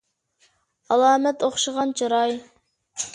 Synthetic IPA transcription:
ɑlˠɑːmɛt̪oχʃəʁɑnt͡ʃʰɑɾɑj

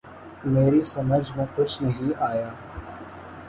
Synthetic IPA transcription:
meːɾisəməd͡ʒmẽːkʊt͡ʃʰnɐɦĩːaːjaː

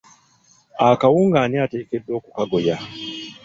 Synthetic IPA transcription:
akawuːŋɡaːniate̞ːkedwo̞ːkukaɡoja

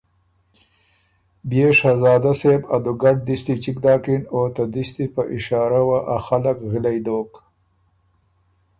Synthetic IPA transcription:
bjeʂazɑːd̪aseba̰d̪uɡaɖ̚d̪ist̪it͡ʃikd̪ɑːkinot̪ad̪ist̪ipəʔɪʃɑːɾawaʔaxalakɣɪlajd̪oːk

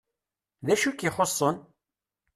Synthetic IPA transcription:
ðæʃukiχosˤːən

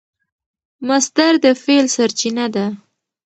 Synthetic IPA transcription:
mast̪aɾd̪əfelsaɾt͡ʃinad̪a

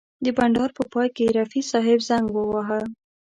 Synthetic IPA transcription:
d̪əbaɳɖɑɾpəpɑjkeɾafisɑɦɪbzaŋɡwəwaɦəl

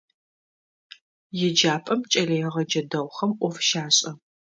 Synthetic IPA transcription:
jɪd͡ʒaːpʼɐmt͡ʃʼɐlɐjʁɐd͡ʒɐdɐwʷχɐmʔʷɔfʃaːɕʼɐ

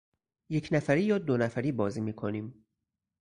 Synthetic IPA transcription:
je̞kcʰnæfæɾiːjɒːd̪onæfæɾiːbɒːziːmiːkʰoniːm

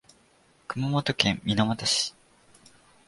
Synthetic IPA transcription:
kɯ̟mamot̪okẽmːʲinamat̪aɕi̥

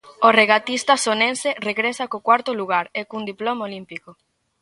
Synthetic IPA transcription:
oreɣat̪ist̪asonensereɣɾesakokwaɾt̪ʊluɣaɾekund̪iplomolimpiko

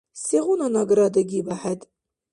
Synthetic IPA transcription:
siʁʷʊnanaɡɾad̪aɡʲibaħatʼ

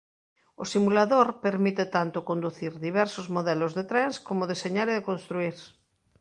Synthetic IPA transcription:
osimulaðoɾpeɾmit̪et̪ant̪okond̪uθiɾðiβ̞ɛɾsozmoðɛlozðet̪ɾɛnskomoðeseɲaɾeðekonst̪ɾuiɾ

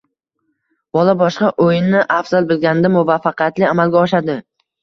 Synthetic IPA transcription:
bɒlˠabɒʃqɑʔojɪnːɪʔafz̥alˠbɪlɡʲanɪd̪amʊvafːaqʰɨjat̪lɪamalɡʲaɒʃad̪ɪ

